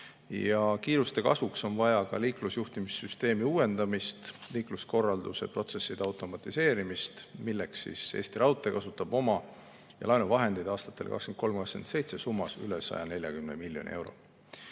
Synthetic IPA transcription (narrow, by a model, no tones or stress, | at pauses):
jɑkiːɾust̪e̞kɑ̰svukso̞nvɑjɑkɑ̰liːklusjuht̪imisːyst̪e̞ːmiuːe̞nd̪̥ɑmist̪liːklusko̞rːɑld̪use̞̰pro̞t̪se̞sːid̪̥ɑwt̪ˑo̞mɑt̪ˑise̞ːɾimist̪milːe̞ksːḭse̞̰ːst̪iɾɑwt̪ːˑe̞kɑsut̪ːˑɑb̥o̞mɑ | jɑ̰lɑjnuvɑɦe̞nd̪̥ijd̪ɑːst̪ɑ̥t̪ːˑe̞lkɑ̰kskenko̞mkɑkskent̪se̞jt̪se̞sumːɑsyle̞sɑ̰jɑne̞lʲjɑ̰kymnemilːjo̞niʔe̞wɾo̞̰